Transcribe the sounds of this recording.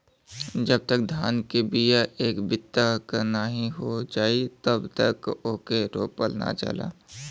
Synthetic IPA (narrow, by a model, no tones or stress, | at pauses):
d͡ʒəb̚t̪ək̚d̪ʱaːnkebijaʔeːkbɪt̪ːakəɾnaɦĩɦod͡ʒaːit̪əbt̪əkokeɾo̰ːpəlna̰t͡ʃə̰la̰ː